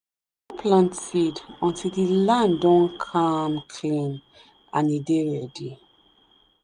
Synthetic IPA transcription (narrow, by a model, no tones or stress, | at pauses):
ipʰlãntsidɔ̃ntʰildilãndɔ̃nkʰamkʰlĩn | ãnideɹɛdi